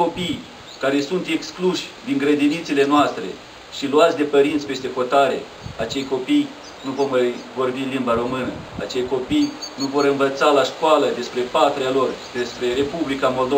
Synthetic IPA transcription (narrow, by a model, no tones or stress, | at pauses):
ko̞pij | kaɾe̞sunt̪e̞kskluʃʲd̪iŋɡɾed̪init̪sile̞noast̪ɾe̞̰ | ʃiluat̪sʲd̪e̞pəɾint̪sʲpe̞st̪e̞xo̞t̪aɾe̞̰ | at͡ʃe̞jko̞pij | nuvo̞rmajvo̞rbinlimbaɾo̞mɨnəa̰t͡ʃejko̞pijnuvo̞ɾɨnvət̪salaʃkoaləd̪e̞spɾe̞pat̪ɾealo̞rd̪e̞spɾe̞ɾe̞publikamo̞ld̪o